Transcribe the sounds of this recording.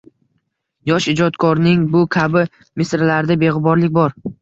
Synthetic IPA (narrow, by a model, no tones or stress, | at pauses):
jɒʃɪd͡ʒɒt̪kʰɒɾnɪŋbʊkʲʰabɪ | mɪsɾlaɾd̪abe̞ʁɨbɒɾlɪkʲbɒɾ